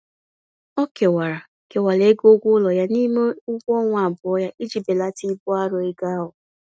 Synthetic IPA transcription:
ɔ˦ke˨wa˨ɾa˨ | ke˨wa˨le˨˦ɡo˦ɡʷʊ˦lɔ˨ja˦ni˦me˦ʊ˦ɡʷɔ˦ŋʷa˨a˨bʊ˨ɔ˦ja˦ʔi˦d͡ʒi˨be˨la˦ti˦bʊ˦a˦ɾɔ˨e˦ɡa˦ɦʊ˨

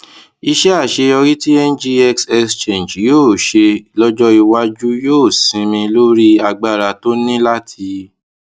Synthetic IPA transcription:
i˧ʃɛ˦a˦˨ʃe˧ɔ˧ɾi˦ti˦ɛ˦nd͡ʒi˦ɛ˦ksɛ˦˧st͡ʃẽ˨d͡ʒjoː˦˨ʃe˧lɔ˦d͡ʒɔ˦i˧wa˦d͡ʒu˦joː˦˨sĩ˨˧˦mĩ˧lo˦ɾi˦a˧ɡ͡ba˦˨ɾa˧to˦nĩ˦la˦tʰi˧

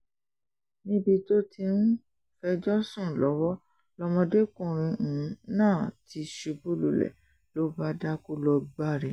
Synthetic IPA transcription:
nĩ˦bi˧to˦ti˧n̩˦ | fɛ˧d͡ʒɔ˦sũ˦˨lɔ˨˦wɔ˦ | lɔ˧mɔ̃˧de˦kũ˦˨ɾ̃ĩ˧˨˦nãː˦˨ti˧ʃe˨˧bu˦˨lu˨lɛ̰˨ | lo˦ba˦da˦ku˦lɔ˧ɡ͡ba˦ɾi˧˨

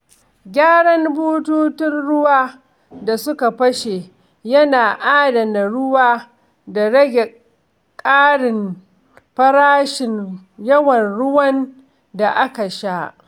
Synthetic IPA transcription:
ɡʲaː˦ɽɐ˦mbuː˦tuː˦tɪ˦nɽʊ˦waː˦ | da˨sʊ˦ka˨ɸɐ˦ʃe˨ | jɐ˦naː˨ʔaː˦dɐ˨na˨ɽʊ˦waː˦ | da˨ɽɐ˦ɡʲe˨ | kʼaː˦ɽɪ˨m | ɸɐ˦ɾaː˦ʃɪ˨njɐ˦wɐ˨nɽʊ˦wɐ˦n | da˨ʔa˦ka˨ʃa˦ʔ

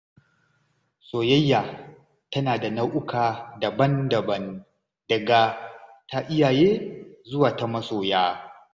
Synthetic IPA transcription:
sʼoː˨jɐ˦jːaː˨ | tɐ˦naː˨da˨nɐ˦wʔʊ˦kʰaː˨dɐ˨bɐ˦ndɐ˨bɐ˦n | dɐ˨ɡaː˦tʰa˦ʔɪ˦jaː˨jeː˦zʊ˦waː˨ta˦mɐ˦soː˨jaː˦

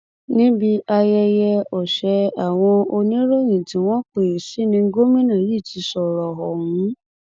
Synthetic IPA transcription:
nĩ˦bi˧ʔa˧jɛ˧jɛ˧ɔ˨ʃɛ˧a˨w̃ɔ̃˧o˧nĩ˦ɾo˦j̃ĩ˨tĩ˨˦w̃ɔ̃˦k͡pe˨si˦nĩ˧ŋ̩˦ɡo˦mĩ˦nã˦˨ji˦˨tʰi˧˦sɔ˨ɾɔ˨ɦɔ˨ũ˨˦

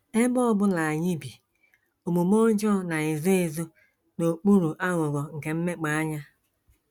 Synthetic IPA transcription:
e˦bɔ˦bʊ˦na˨a˨ɲɪ˦bi˨ | o˨mu˨mo˦d͡ʒɔ˦˨na˨ɪ˨zo˦ɪ˨zo˦ | no˨k͡pu˦ɾu˨ʔa˦ŋʊ˨ɡɔ˨ŋ̩˨ke˨m̩˦me˦k͡pa˨a˦ɲa˦

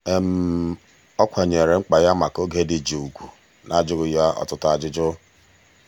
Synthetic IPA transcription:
e˦m̩˨˦ | ɔ˦kʷa˨ɲe˨ɾe˨˦ŋ͡m̩˦k͡pa˨ja˦ma˨ko˦ɡe˦dɪ˨d͡ʒe˨u˨kʷu˨ | nʔa˨d͡ʒʊ˦ɣʊ˨˦ja˦ɔ̰˨tʊ˨ta˨d͡ʒɪ˦d͡ʒʊ˦

